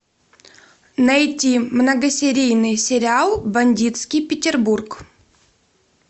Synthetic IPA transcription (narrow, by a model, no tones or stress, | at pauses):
nɐjtʲimnəɡəsʲɪɾʲijnɨjsʲɪɾʲɪalˠbɐnʲdʲit̪skʲijpʲɪtʲɪrburk